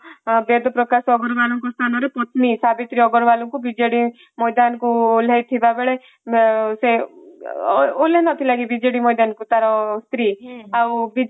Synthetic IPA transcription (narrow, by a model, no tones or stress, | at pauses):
bed̪ɔpɾɔkasɔːɡɔɾbalɔŋkɔst̪ʰanɔɾepɔt̪nisabit̪ɾiɔɡɔɾbalɔŋkubid͡ʒeɽi | mɔjd̪ankuolejt̪ʰibabeɭe | se | olenɔt̪ʰilaɡibid͡ʒeɽimɔjd̪ankut̪aɾɔst̪ɾiawbi